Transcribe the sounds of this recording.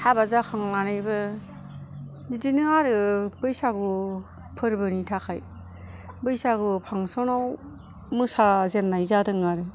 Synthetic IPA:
habazakʰaŋːanɯjbɯ | zidinɯaɾɯbɯjsaɡu | pʰɯɾbɯnitʰakʰaj | bɯjsaɡɯpʰaŋsɔnaw | mɯsazenːajzadɯŋaɾɯ

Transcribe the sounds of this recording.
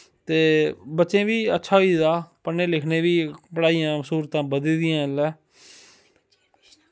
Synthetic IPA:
t̪eːbətːʃẽːʋiːətːʃʰaːɦoiːd̪aːpənːeːlɪkʰneːʋiːpəɽaːijãːsuːɾt̪ãːbəd̪lːd̪ɪjãːlɛː

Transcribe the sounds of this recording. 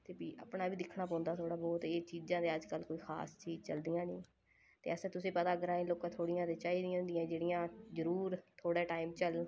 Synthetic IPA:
t̪eːbiːʔə̰pɳaːbiːd̪ɪkʰɳaːpɔ̃ːnd̪aːt̪ʰoːɽaːbɔːt̪eːt͡ʃiːd͡ʒãːd̪eːəd͡ʒkəlkoːiːxʰa̰ːst͡ʃiːd͡ʒt͡ʃəld̪ijãːnĩː | t̪ḛːəst̪ʊsẽːpət̪aːɡəɾaːeloːkãːt̪ʰoːɽɪjãːt̪eːt͡ʃaːiːd̪ɪjãːnd̪ɪjãːd͡ʒeːɽɪjãːzəɾuːɾt̪ʰoːɽɛːʈaːiːmt͡ʃəl

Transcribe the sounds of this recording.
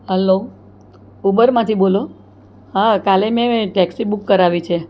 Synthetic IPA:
ɦɛlo | ubəɾmãt̪ʰibolo | ɦãkalemẽʈɛksibukːəɾaʋit͡ʃʰe

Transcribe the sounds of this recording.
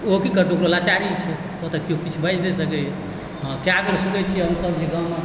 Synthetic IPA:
okikəɾt̪eokɾolat͡ʃaɾit͡ʃʰɛ | ot̪əkiokit͡ʃʰubʱəjd͡ʒʰd̪esəkɛ | ɦãkeaɡəɾsuɡɛt͡ʃʰiɦəmsəbd͡ʒeɡaw̃me

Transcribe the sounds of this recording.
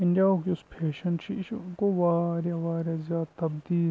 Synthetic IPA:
ɪ̃ɳɖijaːokiʊspʰeːʃənt͡ʃʰiɪskoʋaːɾjaʋaːɾjazjaːd̪̚t̪ɐbd̪iː

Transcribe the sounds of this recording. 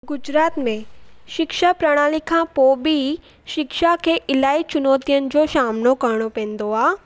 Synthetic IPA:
ɡʊd͡ʑɾaːt̪mẽʃɪkʃapɾaɽ̃aːlikʰãpoːbi | ʃɪkʃakʰeːʔɪlaːit͡ɕʊnoːt̪ijənɪ̆d͡ʑoʃaːmnokɐɾɽ̃opɛ̃ːnd̪oaː

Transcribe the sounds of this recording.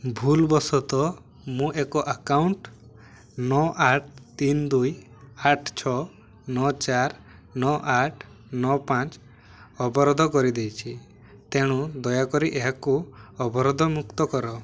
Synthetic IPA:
bʱulbɔsɔt̪ɔ | mũʔekɔʔakawɳʈ | nɔʔaʈ̚ʰt̪ind̪uj | aʈʰt͡ʃʰɔ | nɔt͡ʃaɾ | nɔʔaʈʰ | nɔpãt͡ʃ | ɔbɔɾɔd̪ʱɔkɔɾid̪ejt͡ʃʰi | t̪eɽ̃ud̪ɔjakɔɾiʔeɦakuɔbɔɾɔd̪ʱɔmukt̪ɔkɔɾɔ

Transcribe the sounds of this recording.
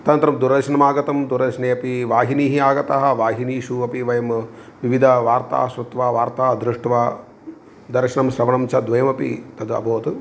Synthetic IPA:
t̪ɐnt̪ɾɐmd̪uɾɐʃɐnɐmaːɡɐt̪ɐmd̪uɾɐʃneːɐpiʋaːɦiniːɦiaːɡɐt̪ɐɦɐʋaːɦiniːʃuɐpiʋɐjɐmʋiʋid̪ʱɐʋaːɾt̪a̰ːɦɐʃɾɐt̪ʋaːʋaːɾt̪aːɦɐd̪ɾuʂʈʋaː | d̪ɐɾkʃɐnɐmʃɾɐʋɐɳɐmt͡ʃʰɐd̪ʋɐjɐmɐpḭt̪ɐd̪ɐ̰bʱoːt̪u

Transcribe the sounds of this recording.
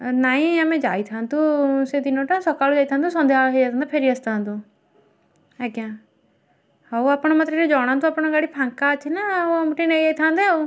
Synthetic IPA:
naːĩəmẽd͡ʒa̰ːit̪ʰãːnt̪used̪inõʈãsɔkaːlod͡ʒaːit̪ʰãːnt̪ũsɔ̃nd̪ʱaɦed͡ʒat̪ʰnd̪aːpʰeɾiəst̪ʰãːnt̪ũ | ɛkjãː | auapɳ̃omət̪ɾeɾed͡ʒɔːɽ̃ãːnt̪̬ũapɽ̃õɡaːɽipʰãŋkat͡ʃʰinamʈined͡ʒaːit̪ʰãːnd̪au

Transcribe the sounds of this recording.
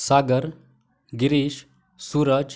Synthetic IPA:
saːɡəɾ | ɡiɾiːʃ | suːɾəd͡ʒ

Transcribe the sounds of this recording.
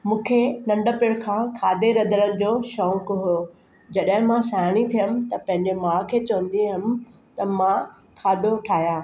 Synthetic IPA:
mũːkʰenɐ̃ɳɖəpɪɽkʰãːkʰaːd̪eɾɐd̪əɾənɪ̆d͡ʑoːʃɔ̃ːŋkɦo | d͡ʑɐɗɦɪ̃mãsaːɽ̃it̪ʰijəm̆t̪ɐpɐ̃ɦɪ̃ɲd͡ʑemãːkʰeːt͡ɕɐʋə̃nd̪iɦɪmɪ̆ | t̪ɐmã | kʰaːd̪oʈʰaːjaː

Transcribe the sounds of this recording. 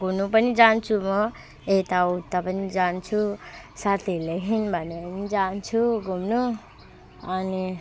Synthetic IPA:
ɡʱunupʌnid͡zant͡sʰumʌ | et̪aut̪ːapʌnid͡zant͡sʰu | sat̪ʰeleɦinbʱʌnenid͡zant͡sʰuɡʱumnu | ʌni

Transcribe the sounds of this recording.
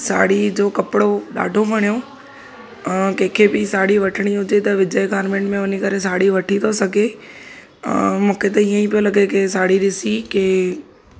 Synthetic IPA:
sa̰ːɽid͡ʑoːkɐpɪɽoɗa̰ːɖʱomɐɽ̃ijo | kɐ̃ɦkʰebɪsaːɽiʋɐʈʰəɽ̃iɦʊd͡ʑet̪ɐʋɪd͡ʑəjɡaːɾmẽːɳʈmẽʊnikɐɾesaːɽiʋɐʈʰit̪ʰosɐɡʱḛ̃ | mũːkʰet̪ɐiːə̃ipijolɐɡekesaːɽiɾɪsikeː

